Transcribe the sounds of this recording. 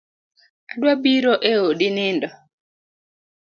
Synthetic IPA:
adwabiɾoʔeodinɪndɔ

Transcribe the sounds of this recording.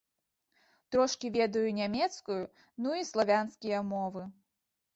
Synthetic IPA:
t̪ɾɔʂkʲivʲɛd̪ɐjunʲamʲɛt̪skuju | nuislˠavʲanskʲijɐmɔvɨ

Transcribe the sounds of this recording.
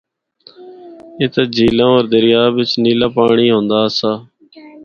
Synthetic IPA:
ɪt̪ed͡ʒʱiːlãːoːɾd̪əɾɪjaːʋɪt͡ʃniːlaːpaːɳiːɦõːnd̪aːsaː

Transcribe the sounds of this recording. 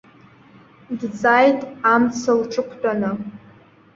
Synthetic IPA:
dd͡zajtʼamt͡sʰɨlʈ͡ʂʼɨkʷʰt͡pʼanɨ

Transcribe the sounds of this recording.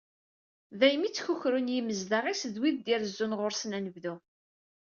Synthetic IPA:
ðæjmit͡sːçuçɾunjiməzðaʁisðwiðd̪iɾzːunʁʊɾsnænəvðu

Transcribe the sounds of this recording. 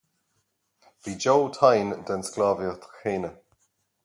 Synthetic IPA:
v̥id͡ʒowtʰajndənsklaːvjətxeːnə

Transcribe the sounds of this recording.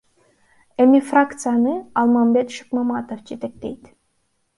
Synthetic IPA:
emʲifrakt̪sɨjanɯɑlˠmɑmbet̪ʃɨ̥kmɑmɑt̪ofd͡ʒet̪ek̚t̪ejt̪

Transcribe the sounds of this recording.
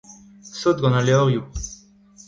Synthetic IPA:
sot̪̚ɡɔnaleoʁju

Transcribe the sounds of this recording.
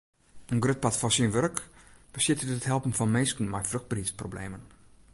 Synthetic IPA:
ənɡrøt̚patfɔnsinʋørkb̥əsɪtəəthɛlˠpən̩fɔnmeskən̩mɛjfrɵxt̚brisprobleːmən

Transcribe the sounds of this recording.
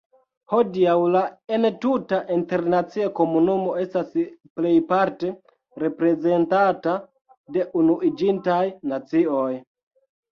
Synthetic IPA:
ho̞diawlaentutaʔinte̞ɾnat͡siako̞munumo̞e̞stasple̞jpaɾte̞ | ɾe̞pɾe̞ze̞ntata | de̞ʔunuʔid͡ʒintajnat͡sio̞j

